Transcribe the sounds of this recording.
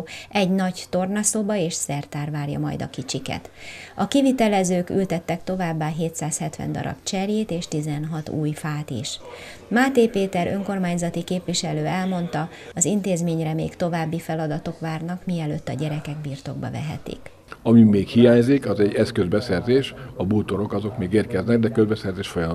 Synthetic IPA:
ʔɛɟnɒɟt̪o̞rnɒsoːbɒeːʃsɛrt̪aːrʋaːrjɒ̰mɒ̰jd̪ɒ̰kit͡ʃikɛ̰t̪ɒkivit̪ɛlɛzøːkylt̪ɛt̪ːɛk̚t̪o̞vaːbːaːɦeːt̪saːshɛt̪ʋɛ̰nd̪ɒ̰ɾɒ̰bt͡ʃɛrjeːt̪eːʃt̪izɛnɦɒt̪ṵːjfaːt̪ḭʃ | maːt̪eːpeːt̪ɛɾʔø̞ŋko̞rmaːɲzɒt̪ikeːpʋiʃɛløːɛlmo̞n̪t̪ɒ | ɒzint̪eːzmeːɲrɛmḛːkt̪o̞vaːbːifɛlɒd̪ɒt̪o̞kʋaːrnɒkmiɛløːt̪ːɒɟɛɾɛkɛɡbiːrt̪o̞̰ɡ̚bɒ̰vɛ̰ɦɛ̰t̪ḭk | ɒmimeːkhijaːɲzikɒzɛɟːɛskøzbɛsɛrzeːʃɒboːt̪oɾo̞kɒzo̞kmeːɡeːrkɛznɛɡ̚d̪ɛkøzbɛsɛrzeːʃfojɒ

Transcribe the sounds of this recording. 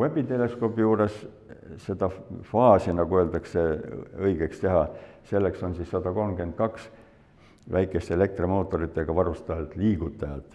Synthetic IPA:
webit̪e̞le̞sko̞ːpːijuːɾe̞s | se̞d̪̥ɑfɑːsinɑɡuø̞ːld̪ɑkse̞ɤjɡ̥ekst̪e̞ɦɑse̞lːe̞kso̞nsisːɑd̪̥ɑko̞lmkent̪̚kɑks | væjkːˑe̞st̪e̞le̞k̚t̪remo̞ːt̪ːˑo̞ɾit̪ˑːeɡ̥ɑvɑɾust̪ɑjɑlt̪ˑliːɡut̪ːˑɑjɑt̪ːˑ

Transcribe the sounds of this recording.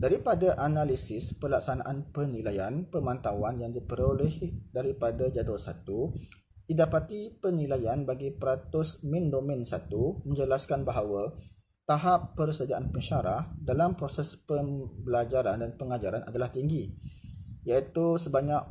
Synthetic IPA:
daɾipadaʔanãlisɪspəlaksana̰ʔanpənilajanpəmãnt̪awanjaŋdipəɾolɛhdaɾipadad͡ʒad̪ulsat̪u | didapat̪ipənilajanbaɡipəɾat̪ʊsmĩndominsat̪umə̃ɲd͡ʒəlaskanbaɦawa | t̪aɦapːərsədiaʔanpəɲʃaɾahdalampɾosɛspəmbəlad͡ʒaɾandanpəŋad͡ʒaɾanʔa̰dalaht̪iŋɡi | jait̪usəbaɲak̚

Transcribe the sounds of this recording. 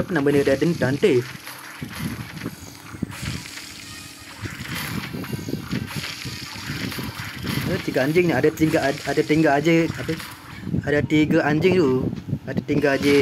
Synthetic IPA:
apənambənədadənt̪ant̪e | alat̪iɡaaɲd͡ʒɪŋniadat̪iŋɡaadat̪iŋɡaad͡ʒeapə | adat̪iɡaʔaɲd͡ʒɪŋt̪uadat̪iŋɡaad͡ʒe

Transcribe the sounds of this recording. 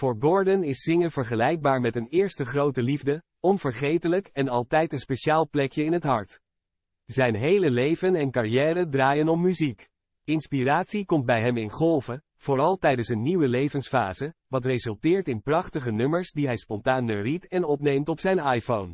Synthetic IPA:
fʊːɹbɔɹdənɪsːɪŋəvəɹχəlɛjɡ̚baːɹmɛtənɪːɹstəχrowtəlivdə | ɔnv̥əɹχejtələkɛnɑlˠtɛjtənspejʃaːlˠplɛkjəɪnɦətɦɑɹt | zɛjnɦejləlejvənɛnkarijɛːrədraːjənɔmmyzik | ɪnspiraːtsikɔmt̚bɛjɦɛmɪnχɔlˠvə | v̥oːrɑlˠtɛjdənsənːiwəlejvənsfaːzəʋɑt̬rezɵlˠtɪːɹtɪnprɑχtəχənɵməɹsdiɦɛjspɔntaːnːəritɛnɔpnejmtɔpsɛjnɑjfown

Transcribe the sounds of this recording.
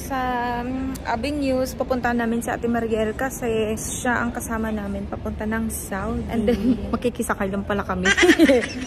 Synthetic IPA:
sɐ | ʔa̰bɪŋnjuspɐpʊnt̪ɐnaːmɪnsiʔa̰ːt̪ɪmɐɾjɛlkɐsɛʃaʔɐŋkɐsaːmɐnaːmɪnpɐpʊnt̪anɐŋsawnʔɛ̰nd̪ɛnmɐɡkikɪsɐkajlɐmpɐlakɐmɪ

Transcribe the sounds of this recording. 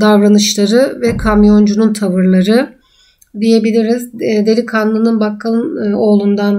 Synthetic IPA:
d̪avɾanɯʃlˠaɾɯvɛkʰamjo̞nd͡ʒununt̪ʰavɯɾlˠaɾɯ | d̪ije̞bilʲiɾizd̪e̞ɾikʰanlˠɯnɯnbakʰːaɯno̞ːlˠund̪an

